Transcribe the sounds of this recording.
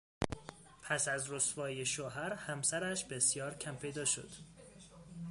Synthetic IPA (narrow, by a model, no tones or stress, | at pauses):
pʰæsæzrosvɒːjeʃoɦæɾhæmsæɾæʃbe̞sjɒːɾcʰæmpʰe̞jd̪ɒːʃo̰d̪̥